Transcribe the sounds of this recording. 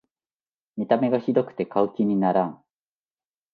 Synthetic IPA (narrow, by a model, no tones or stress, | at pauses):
mʲit̪ame̞ɡaçid̪o̞kɯ̟̥t̪e̞kaɯ̟kʲiɲ̟inaɾãŋ